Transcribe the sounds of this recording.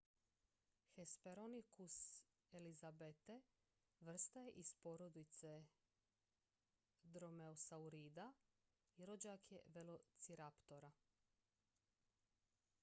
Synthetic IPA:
xespe̞ɾonikus | elizabet̪e | ʋr̩st̪ajeʔispoɾod̪it̪se̞ | d̪ɾo̞meosauɾiːd̪a | iɾod͡ʑakʰjḛʋelo̞t̪siɾapt̪o̞ɾa

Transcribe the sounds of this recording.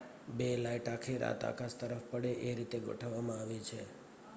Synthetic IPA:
belaiʈakʰeɾa̰t̪a̰kʰast̪əɾəfpəɽeʔeɾit̪eɡʱo̰ʈʰəʋːamãaʋet͡ʃʰe

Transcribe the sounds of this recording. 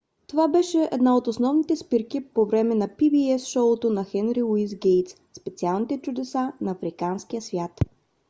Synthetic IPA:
t̪ovabɛʃɛʔɛ̰d̪naot̪osnɔvnit̪ɛspiɾkipovɾɛmɛnɐpibiɛsʃɔot̪onɐxɛnɾilˠuiz̬ɡɛjt̪s | spɛt̪sialˠnit̪ɛt͡ʃʊd̪ɛsanɐːfɾikansk̟ijəsvʲjat̪

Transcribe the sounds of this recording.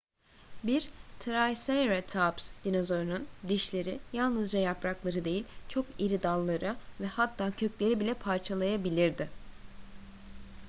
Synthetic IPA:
biɾt̪ʰɾajsajɾat̪ʰapsd̪̥inozo̞ɾunund̪iʃlʲe̞ɾijalˠnɯzd͡ʒajapɾaklˠaɾɯd̪e̞jilʲt͡ʃʰo̞kiɾid̪alˠːaɾɯvɛhat̪ʰːaːcʰø̞clʲe̞ɾibilʲɛpʰaɾt͡ʃʰalˠajabilʲiɾd̪ɪ

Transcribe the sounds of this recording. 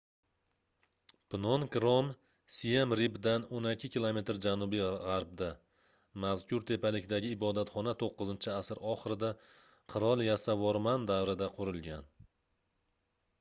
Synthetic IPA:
pʰɪnɒnkɾom | sijamɾibd̪anonɪkʲʰːɪkʲilˠome̞t̪ɾd͡ʒanʊbijʁaɾb̚d̪a | mazkʲʰʊɾt̪ʰe̞pʰalɪkʲd̪aɡʲɪːbɒd̪at̪χɒnat̪ʰoqːɨzɪnt͡ʃʰɪasɪɾɒχɨɾɪd̪a | qʰɨɾɒlˠjasavɒɾmand̪awɾɪd̪aqʰʊɾɪlˠɡʲan

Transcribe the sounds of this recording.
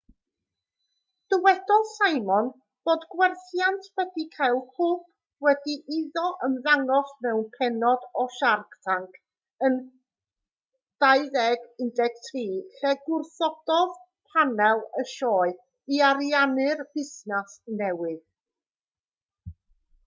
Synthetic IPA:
d̥əwɛd̥ɔlˠsajmɔn | b̥oːdɡwɛrθjantʰwɛdikʰajlˠkʰʊːpʰ | wɛdiʔiðɔʔəmðaŋɔsmɛwnpʰɛnɔdɔʃarktʰaŋkʰ | ən | d̥aɨðɛɡɪndɛɡ̥tʰriːɬɛɡʊrθɔd̥ɔð | pʰanɛlˠəʃɔːɨ | iaɾianɨrb̥ɪsnasnɛwɨð

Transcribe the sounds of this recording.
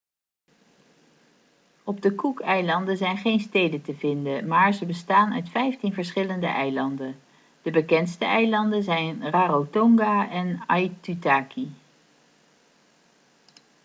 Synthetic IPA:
ɔb̚dəkukɛjlɑndəzɛjnχejnstejdəntəvɪndəmaːɹzəbəstaːnœ̰ɥtfɛjftinvəɹsχɪləndə̰ʔɛjlɑndən | d̥əbəkɛntstəʔɛjlɑndənzɛjnraːrowtɔŋɡaʔɛnajtytaːki

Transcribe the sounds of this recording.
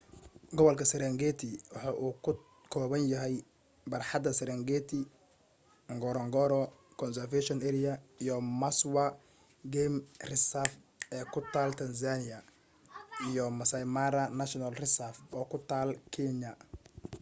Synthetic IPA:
ɡɔβɔlkʰɐsɛɾɛŋɡɛːt̪ʰɪwɑħɑːʔuː | kʰɔːβɐnjɐɦɛj | bɐrħɑd̪ɐsɛɾɛŋɡɛːt̪ʰɪ | ŋɡɔɾɔŋɡɔɾɔ | kʰɔnsɛrfɛʃɔnɛːɾɪɐijɔmɐswa | ɡɛmrɪsaf | ɛːkʰʊt̪ʰaːlt̪ʰɐns̬anɪjɐ | ijɔmɐsɐjmaɾɐnɐʃɔnɐlrɪsafɔːkʰʊt̪ʰaːlkʰɛnɐ

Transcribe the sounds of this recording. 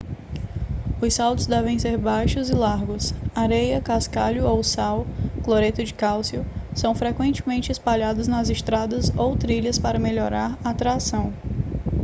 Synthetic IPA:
ʊsawt̪ʊzd̪ɛvẽj̃seɾbajʃʊzɪlaɾɡʊsaɾejɐkaskaʎʊowsawkloɾet̪ʊd͡ʒɪkawsiʊsɐ̃w̃fɾekwẽnt͡ʃɪmẽnt͡ʃɪispaʎad̪ʊznɐzɪst̪ɾad̪ɐzowt̪ɾiʎɐspaɾɐmeʎɔɾaɾaːt̪ɾasɐ̃w̃

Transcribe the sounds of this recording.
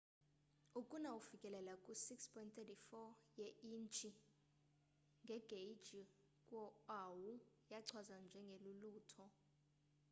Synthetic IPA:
ukʼunawufikʼɛlɛlakʼusikspʰɔintt̪ɛtifɔjɛint͡ʃʰʼi | ŋɡʱɛɡ̥ʱej̥d͡ʒi | kʼwɔawu | jaǀʰwazand͡ʒʱɛŋɡʱeluluːtʰɔ

